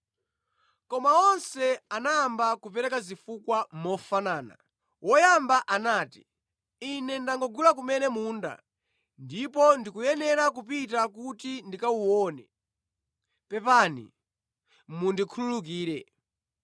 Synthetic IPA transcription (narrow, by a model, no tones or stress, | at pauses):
kɔmaɔnsɛanaːmbakupɛɾɛkazifukwammɔfanaːna̰ | wʔɔjambaʔanaːti̥ | inɛndaŋɡɔɡulak̬umɛnɛmuːnda̰ | ndipɔndikujɛnɛɾak̬upitak̬utindikauwɔːnɛ | pɛpanḭ | mundikʰululuk̬iːɾɛ